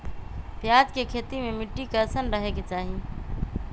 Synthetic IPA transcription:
pjad͡ʒkekʰeːt̪imẽmiʈːikəɾsənɾəɦeket͡ʃaːɦi

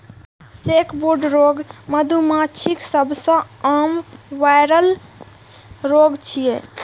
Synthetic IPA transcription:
sekʰboɾɖɾoɡməd̪ʱumat͡ʃʰiksəbʱsə̃əmʋajɾəl | ɾoɡt͡ʃʰije

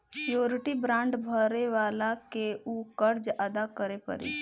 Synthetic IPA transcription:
sijoːɾɪʈibɾãɳɖbʱəɾeʋaːlakeukəɾd͡ʒəd̪akəɾepə̰ɾḭ

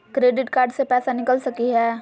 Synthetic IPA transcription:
kɾeːɖɪʈkaːɾɖsepɛːsanɪkəlsɐkiɦɛː

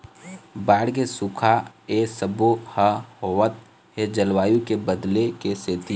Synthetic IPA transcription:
baːɽkesʊkʰaesəbohɐhoːwət̪̚ | ɦed͡ʒəlwaːjũkebəd̪lekeseːt̪i

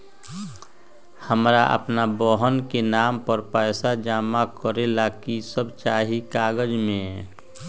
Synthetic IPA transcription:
həmɾaʔə̰pnabɔɦənkenaːmpəɾpɛːɪsad͡ʒaːmakəɾelakisəbt͡ʃaːɦikaːɡəd͡ʒmẽɛ

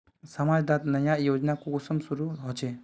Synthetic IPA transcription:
samad͡ʒd̪at̪nɐjajod͡ʒnakuusɔmsuɾuɦɔd͡ʒe

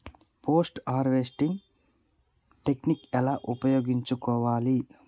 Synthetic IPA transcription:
pʰo̞ːsʈaːɾʋesʈiŋ | ʈe̞knikɛlaːʔupɐjoːɡiɲt͡ʃukɔːʋaːli

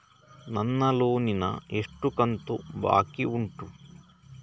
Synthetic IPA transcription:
nɐnːɐloːninɐ̰eʂʈːukɐnt̪uba̰ːkiuɳʈu

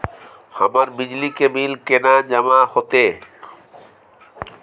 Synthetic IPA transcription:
ha̰maɾbid͡ʑlikemilkenad͡ʑamahot̪e

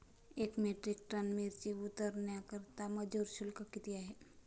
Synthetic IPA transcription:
ekmeʈɾɪk̚ʈɾanmeɾt͡ʃiʊt̪əɾnjakəɾt̪aməd͡ʒoɾʃulkakit̪ijaɦe

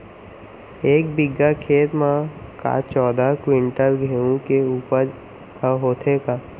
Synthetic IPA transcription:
eːk̚bɪɡːakʰeːt̪mãka̰t͡ʃɔːd̪akwɪ̃ɳʈəɾɡʱeũkeuːpəɾ | həɦoːt̪ʰekaː

